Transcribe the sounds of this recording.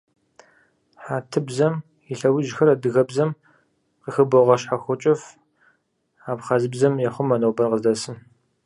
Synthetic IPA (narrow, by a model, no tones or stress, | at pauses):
ħaːtʰɨbzɐm | iɬɐwʊʒxɐɾadɨɣɐbzɐm | qəxɨboʁɐʃħaxʷʊt͡ʃʼɪf | aːpχɐzɨbzɐmjɛχʷʊmːɐnowbɐrqəzdɐsɨm